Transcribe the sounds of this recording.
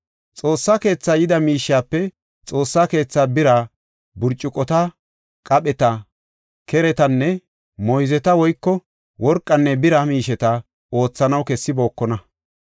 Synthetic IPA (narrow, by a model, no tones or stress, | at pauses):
t͡sʼo̞ːsːaːke̞ːt͡sːaːjɪd̪ɐmiːʃːaːpːɛ | t͡sʼo̞ːsːaːke̞ːt͡sːaːbɪɾaː | bʊɾt͡ʃʼːɪkʼɔt̪ɐ | kʼɐpʼɛt̪ɐ | kʰɛɾɛt̪ɐnːɛ | mɔjzɛt̪ɐwɔjkːɔ | wɔɾkʼːɐnːɛbɪɾɐmiːʃɛt̪ɐ | o̞ːt͡sːɐnɐwkɛsːɪbo̞ːkːɔnɐ